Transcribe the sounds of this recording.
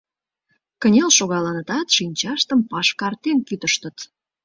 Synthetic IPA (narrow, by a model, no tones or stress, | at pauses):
kənʲelʃoɣɑlɑnət̪ɑt̪ʃinʲt͡ɕɑʃt̪əmpɑʃkɑrt̪enkyt̪əʃt̪ə̆t̪